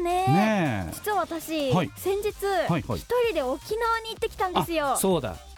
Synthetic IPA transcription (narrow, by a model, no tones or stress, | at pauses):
nened͡ʑi̥t͡sɨβaβat̪aɕihaisẽ̞ɲ̟d͡ʑit͡sɨhaiha̰ḭt̪oɾʲid̪e̞o̞kʲinaβaɲ̟iːt̪ːekʲi̥t̪ãnd̪esɨjo̞so̞ːd̪a̰